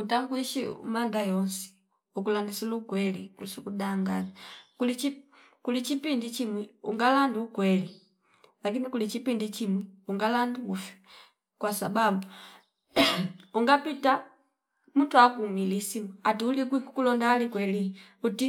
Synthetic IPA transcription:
kutaŋɡuiʃiṵmaŋdajɔnsi̥ | ukulandisilukwɛlikusukudaŋɡanakulit͡ʃi | kulit͡ʃipindit͡ʃimwɛṵŋɡalanduːkwɛli | lakinikulit͡ʃipindit͡ʃimwɛuŋɡalanduufi̥ | kwasababu | uŋɡapita | muntuakumilisimuatuulikwikukulɔndaːlikwɛli | uti

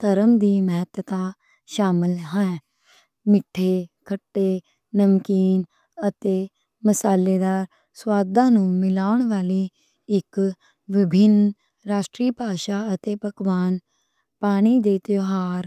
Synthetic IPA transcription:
t̪əɾəmd̪iːməɦət̪ət̪aː | ʃaːmɪlɦɛ̃ɛ | mɪʈʰːeːkʰəʈːeː | nəmkiːn | ət̪eː | məsaːleːd̪aːɾ | swaːd̪ãːnũːmɪlaːʊɳ̃ʋaːliː | ɪk | ʋɪbʱɪn | ɾaːʃʈɾiːpaːʃaːət̪eːpəkʋaːn | paːɽ̃iːd̪eːt̪joɦaːɾ

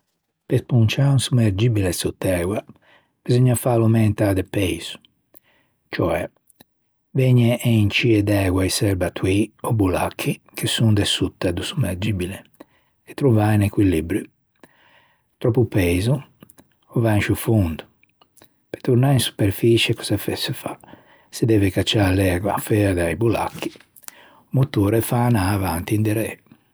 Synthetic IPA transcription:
pespunt͡ʃaunsumeɾd͡ʒibilesut̪ːɛːɡwa | b̥izɔɲːafalumɛnt̪ad̪epejz̥u̥ | t͡ʃɔɛ | veɲɛʔeint͡ʃiɛd̪ɛːɡwaisɛɾbat̪wiɔbula̰kʰːi | kʰesund̪esut̪ːɛd̪usumeɾd͡ʒibile | ɛt̪ːɾuvainekwilibɾu | t̪ɾɔpːupɛːzu | ɔvanʃufund̪u | pet̪uɾnainsu̥peɾfit͡ʃɛkɔsafɛsɛfa | sed̪ɛːvɛkat͡ʃːalɛːɡwa̰fɛɾd̪aibula̰kʰːi̥ | mut̪ːuːɾɛfaːnaːvant̪ind̪ɛɾɛ̰

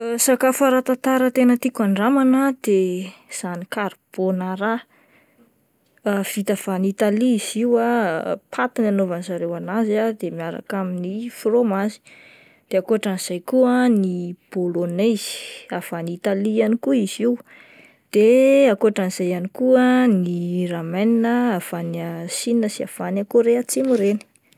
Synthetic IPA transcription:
sakafaɾat̪at̪aɾət̪enət̪ikuaɳɖ͡ʐamanad̪̥ez̥anikaɾb̥onaɾa | v̥it̪av̥anit̪aliiziwapʰat̪inanovanizaɾewanazad̪emiaɾa̰kaminifromazi̥ | d̪̥eakuaʈ͡ʂaniz̥ajkuənib̥olonez̥i̥av̥anit̪alianikuiz̥iw | d̪̥eakuaʈ͡ʂaniz̥ajanikuəniramajninəav̥anasininəsia̰v̥anakoɾeat͡simuɾeni̥

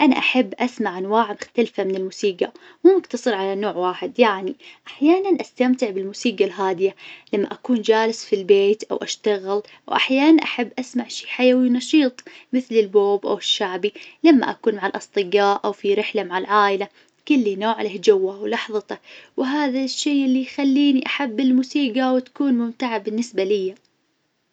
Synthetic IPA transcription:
ʔana̰ʔaħabːʔasmaʕʔanwaːʕmɪxt̪alfamɪnɪlmuːsiːɡa | muːmakt̪ɑsˤɨɾʕalanoːʕwaːħɪd̪jaʕniʔaħjaːnanʔast̪amt̪ɪʕbɪlmuːsiːɡalɦaːd̪ɪjalamːa̰ʔakuːnd͡ʒaːlɪsfilbeːt̪ʔa̰wʔa̰ʃt̪aɣɪl | wʔa̰ħjaːnanʔaħabːʔasmaʕʃiːħajawinɑʃiːt̪ˤmɪθlɪlboːbʔa̰wɪʃːaʕbilamːa̰ʔakuːnmaʕalʔɑsˤt̪ˤɨɡaːʔʔawfiɾɪħlamaʕalʕaːʔɪla | kɪlːinoːʕlahd͡ʒawːawlɑħðˤɑt̪awɦaːðaʃːeːʔɪlːijxalːiːniʔaħabːɪlmuːsiːɡawɪt̪ḁkuːnmʊmt̪aʕabɪnːɪsbalɪjːa

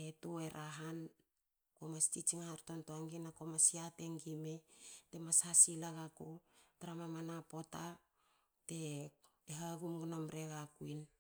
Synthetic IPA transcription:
etoeɾʔaɦan | komastit͡ʃiŋahaɾtontoaŋɡinakomasiate̞ŋɡimete̞mashasilaɡakotaɾamamanapo̞ta | te̞ | eɦaɡumɡunomɾe̞ɣakuin

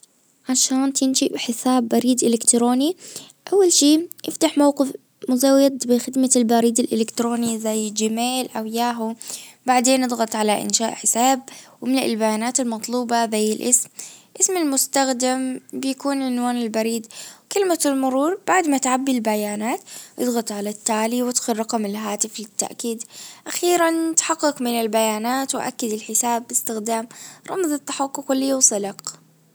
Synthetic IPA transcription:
ʕaʃaːnt̪ɪnʃibħɪsaːbːaɾiːd̪ʔɪlɪkt̪ɾoːni | ʔawːalʃiːʔɪft̪aħmawqɪf | mʊzawːɪd̪bɪxɪd̪malbaɾiːd̪ɪlʔɪlɪkt̪ɾoːnizajːd͡ʒɪmeːlʔawɪjaːɦubaʕd̪eːnɨd̪ˤɣɑt̪ˤʕalaʔɪ̰nʃaːʔħɪsaːb̚wmɪnɪ̰lbajaːnaːt̪ɪlmɑt̪ˤluːbɑzajːɪlʔɪsmʔɪsmalmʊst̪axd̪ambɪjakuːnʕɪnwaːnɪlbaɾiːd̪wkɪlmalmʊɾuːɾˤb̥aʕd̪mat̪ʕabːilbajaːnaːt̪ʔɨ̰d̪ˤɣɑt̪ˤʕalat̪ːaːliwɪt̪xʊlɾˤɑqɑmɪlɦaːt̪ɪflɪt̪ːa̰ʔkiːd̪ʔaxiːɾant̪ħɑqːɪkmɪnɪlbajaːnaːt̪wɪʔa̰kːad̪ɪlħɪsaːbːɪst̪ɪxd̪aːmɾˤɑmðˤɨt̪ːaħɑqːʊkʊlːɪjːusˤɨlɑq

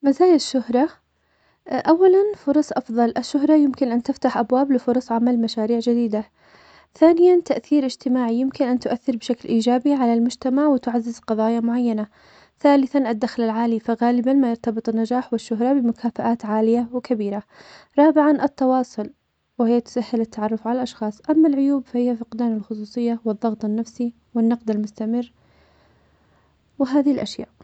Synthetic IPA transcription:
mazaːjɪʃːʊhɾˤɑ | ʔawːalanfʊɾˤɑsˤʔɑfðˤɑlʔaʃːʊɦɾˤɑjɪmkɪnʔant̪ɪft̪aħʔabwaːblɪfʊɾˤɑsˤʕamalmaʃaːɾiːʕd͡ʒɪd̪iːd̪a | θaːnɪjant̪aʔθiːɾʔɪd͡ʒt̪ɪmaːʕijɪmkɪnʔant̪ʊʔaθːɪɾbʃaklʔiːd͡ʒaːbiʕalalmʊd͡ʒt̪amaʕwɪt̪ʊʕazːɪzqɑðˤɑːjamʊʕajːana | θaːlɪθanʔad̪ːaxlɪlʕaːlifaɣaːlɪbanmajɑɾˤt̪ɑbɨt̪ˤɪnːad͡ʒaːħwɪʃːʊɦɾˤɑbɪmʊkʰaːfaʔaːt̪ʕaːlɪjawɪkabiːɾaɾˤɑːbɪʕanʔɨt̪ːɑwɑːsˤʊl | wɪhɪjːat̪ʊ̥sahːɪlɪt̪ːaʕɑrˤːʊfʕalalʔɑʃxɑːsˤʔamːalʕʊjuːbfahɪjːafɪqd̪aːnɪlxʊsˤuːsˤɨjːawɨðˤːɑɣt̪ˤɨnːafsi | wɪnːɑqd̪almʊst̪amɪrː | wɪɦaːðɪhɪlʔaʃja̰ːʔ

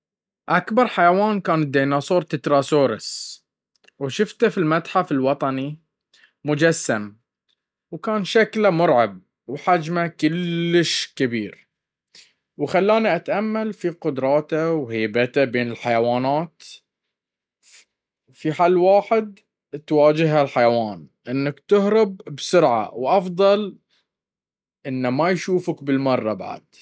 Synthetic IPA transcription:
ʔakbɑɾˤħajawaːnkaːnɪd̪ːiːnasˤuːɾˤt̪ɪt̪ɾˤɑsoːɾɪs | wʃʊft̪afilmat̪ħafɪlwɑt̪ˤɑni | mʊd͡ʒasːam | wkaːnʃaklamʊɾˤʕɑb̚ | wħad͡ʒmakʊlːɪʃkɪbiːɾ | wxalːaːniʔat̪ʔamːalfiqʊd̪ɾˤɑːt̪awheːbat̪abeːnɪlħajawaːnaːt̪ | fiħaːlːwaːħɪd̪̚ | t̪waːd͡ʒɪɦhalħajawaːnʔɪnːakt̪ʊhɾɪbbsʊɾʕa̰wʔɑfd̪ˤɑl | ʔɪnːamajʃuːfakbɪlmɑrˤːɑba̰ʕa̰d̪̥̚

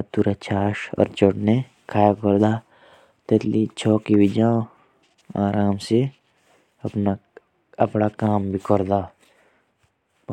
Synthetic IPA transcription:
t̪uɾat͡ʃʰaːʃɔ̰ːɾt͡ʃoʈne | kʰaːjakɔɾd̪aː | t̪ɛt̪lit͡ʃʰɔːkibɪd͡ʒaː | aːɾaːmse | ɐpna | ɐpnakaːmbʱikɔɾd̪aː

